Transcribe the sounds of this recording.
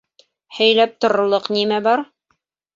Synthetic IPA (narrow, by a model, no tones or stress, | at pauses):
hæ̆jlæp̚t̪ŏɾɤŏlˠɤqnimæbɑɾ